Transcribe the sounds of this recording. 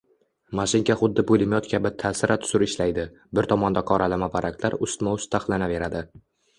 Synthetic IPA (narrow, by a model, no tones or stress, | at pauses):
maʃɪŋkʲaχʊd̪ːɪbolɪmjɒt̪kʲʰabɪt̪ʰːasɪɾʔat̪ʰʊ̥sʊɾɪʃlajd̪ɪ | bɪɾt̪ʰɒmɒnd̪aqʰɒɾʔalamabaɾʔakʲlaɾʊst̪maʊst̪ʰːaχlˠanave̞ɾad̪ɪ